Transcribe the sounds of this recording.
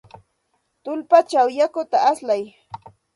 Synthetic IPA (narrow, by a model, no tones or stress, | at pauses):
t̪ʊlpat͡ʃawjakʊt̪aaslaj